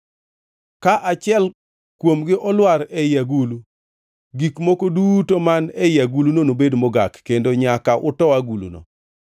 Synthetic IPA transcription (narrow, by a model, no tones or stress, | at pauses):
kaʔat͡ʃɪɛl | kwomɡɪʔɔlwaɾɛjaɡulu | ɡikmɔkoduːtomanɛjaɡulunonobedmoɡa̰kːendoɲakaʔʊtɔwaɡulṵno̰